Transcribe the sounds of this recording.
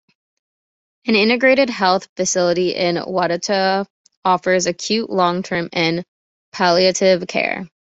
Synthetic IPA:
ɨ̃nɪ̃ñɨɡɹeɪɾɨd̚ɦɛlˠθfɨsɪlˠəɾiʔɪ̰̃nwɑɾɨtʰə | ɔfə˞zɨkʰj̥ʉʔlɔ̃ŋtʰɜ̃˞mɪ̃n | pʰælˠiɨɾɪv̥kʰɛ̰ɹ

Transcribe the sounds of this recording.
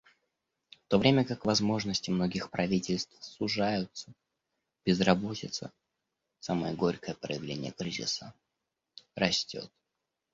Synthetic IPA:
ft̪o̞vɾʲemʲəkakvɐzmo̞ʐnəsʲtʲɪmno̞ɡʲɪxpɾɐvʲitʲɪlʲst̪fsʊʐajʊt̪sə | b̥ʲɪzrɐbo̞tʲɪt̪sə̰ | saməjəɡo̞ɾʲkəjəpɾə̰jɪvlʲenʲɪjəkɾʲizʲɪ̰sə | rɐsʲtʲo̞̰t̪̚

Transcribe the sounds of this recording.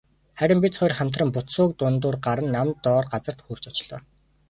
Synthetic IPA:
χæɾʲɪ̆mpʲit͡sχɔːjrχæm̥ʲt̪rə̆mpʊt̪sʊːk̚t̪ʊnt̪ʊːrɢaɾə̆nːamt̪ːɔːrɢat͡sə̆r̥t̪xur̥t͡ɕɔt͡ɕɮ̥ɔː

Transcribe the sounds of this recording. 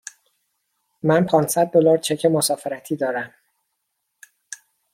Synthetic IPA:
mænpʰɒːnsæd̪̚ːolɒːɾt͡ʃʰe̞cʰemosɒːfeɾæt̪ʰiːd̪ɒːɾæm

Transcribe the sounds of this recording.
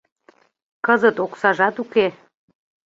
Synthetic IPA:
kəzət̪oksɑʒɑt̪uke

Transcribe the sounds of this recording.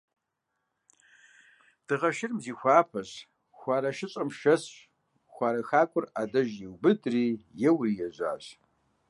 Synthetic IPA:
d̥ɨʁɐʃɪrmziːxʷaːpʰɐɕ | xʷɑːɾɐʃɪɕʼɐmʃɐsɕ | xʷaːɾɐxaːkʷʼʊradɐʒjiwbɨdriːjɛwrijɛʑʷa̰ːɕ

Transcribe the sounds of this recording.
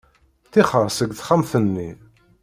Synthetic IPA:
θiχəɾˤsəɡθχamθənːi

